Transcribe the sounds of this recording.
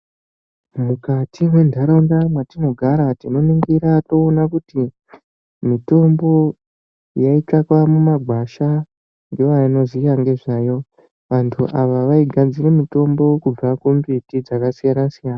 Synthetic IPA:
mukatʰiwe̞ndʱaɾondamwatino̞ɡʱaɾatino̞niŋɡiɾato̞ːnakuti | mito̞mbo̞ | jaitakwamumaɡʱwaʃa | ŋɡe̞ʋaino̞zijaŋɡe̞ʐajo̞ | ʋantʰuʔaʋaʋaiɡʱad͡zire̞mito̞mbo̞kub͡vakumbitid͡zakasijanasijaːna

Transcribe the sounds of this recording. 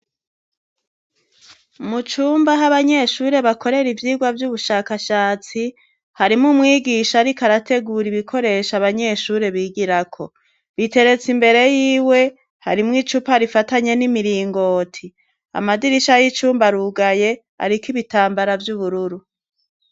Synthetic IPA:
mut͡ʃuːmbaɦaβaɲe̞ʃuːɾe̞βakʰo̞ɾe̞ɾivjiːɡwavjuβuʃaːkaʃaːt͡si | haɾimumŋiːɡiʃaɾikaɾate̞ɡuɾiβikʰo̞ɾe̞ʃaβaɲe̞ʃuːɾe̞βiːɡiɾakʰo̞ | βite̞ɾe̞t͡simbe̞ɾe̞jiːwe̞ | ha̰ɾimŋit͡ʃupaɾifataɲe̞nimiɾiːŋɡo̞ːtʰi | a̰madiɾiʃajit͡ʃuːmbaɾuɡaje̞ | a̰ɾikiβitaːmbaɾavjuβuɾuɾu

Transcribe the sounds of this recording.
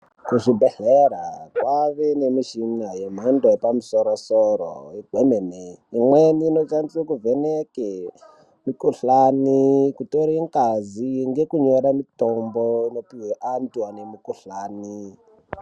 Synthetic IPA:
kuʐibʱeɬeɾakwaʋenemiʃinajem̤andoepamusoɾosoɾo̰ibʱemeneimweniːnot͡ʃanisakuveneke | mikuɬanikutoɾiŋkaziŋɡe̞kuɲoɾamitomboino̞piɦeʔantuwanemikuɬaːni

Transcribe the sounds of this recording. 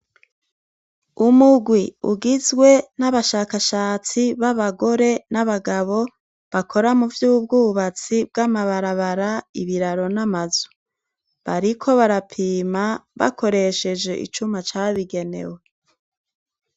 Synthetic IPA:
umuɡwiṵɡizɡwe̞naβaʃaːkaʃaːt͡siβaβaɡo̞ɾe̞naβaɡaβo̞ | βakʰo̞ɾamuvjub̚ɡuːβat͡sib̚ɡamaβaɾaβaɾaiβiɾaɾo̞namazu | βaɾikʰo̞βaɾapʰiːmaβa̰kʰo̞ɾe̞ʃe̞d͡ʒe̞ʔḭt͡ʃumat͡ʃaβiɡe̞ne̞̰we̞

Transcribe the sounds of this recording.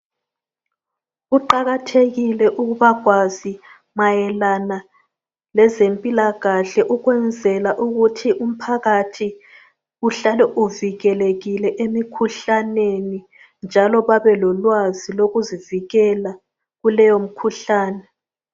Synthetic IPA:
ɣuǃaɣatʰeɣilɛʔuɣuβaɣʱwazi | majɛlana | lɛzempʼilaɣaɬɛʔuɣwɛnd͡zʱɛlaʔuɣutʰiʔum̩pʰaɣatʰi | uɬalɛʔuviɣɛleɣilɛʔemikʰuɬaneni | nd͡ʒʱalɔβaβɛlɔlwaziloɣuziviɣɛla | ɣulɛjom̩kʰuɬaːnɛ

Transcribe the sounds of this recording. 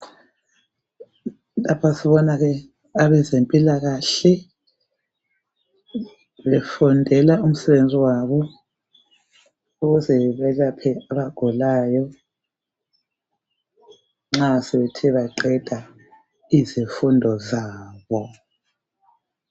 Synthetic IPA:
lapʰasiβɔnaɣɛ | aβɛzempʼilaɣaɬɛ | βɛfɔndʱɛlaum̩sɛβend͡zʱiwaβɔ | uɣuzɛβɛɣapʰɛaβaɡ̥ʱulaːjɔ | ŋ͡ǁasɛβɛtʰɛβaǃɛd̥ʱa | izifundʱɔzaːβɔ

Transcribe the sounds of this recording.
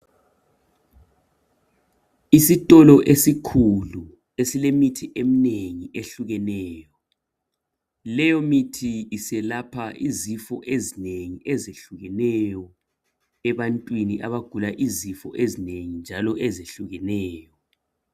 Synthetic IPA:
isitʼɔlɔʔesikʰulu | esilemitʰiʔem̩neŋiʔeɬuɣɛnɛːjɔ | lɛjɔmitʰiːsɛlapʰaʔizifɔʔezineŋiʔɛzeɬuɣɛnɛjɔ | ɛβantʼwiniʔaβaɡ̥ʱulaʔizifɔ̰ʔezineŋind͡ʒʱalɔʔɛzeɬuɣɛnɛːjɔ

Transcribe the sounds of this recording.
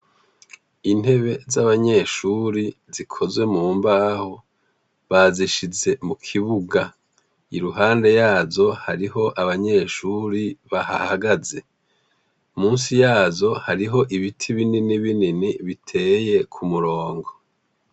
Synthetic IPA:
in̥he̞βe̞zaβaɲe̞ːʃuːɾizikʰo̞zwe̞muːmbaːho | βaziʃize̞mukʰiβuɡa | iɾuɦaːnde̞jaːzo̞haɾiɦo̞ʔaβaɲe̞ʃuːɾiβaha̰haɡaze̞ | umuːnsijaːzo̞haɾiɦo̞ʔiβitʰiβininiβininiβitʰe̞ːje̞kʰumuɾo̞ːŋɡo̞

